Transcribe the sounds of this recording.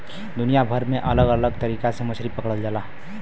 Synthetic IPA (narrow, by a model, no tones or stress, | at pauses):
d̪ʊnijabʱəɾmẽʔələɡələɡt̪əɾiːkasemʊsʰɾipəkɽəld͡ʒala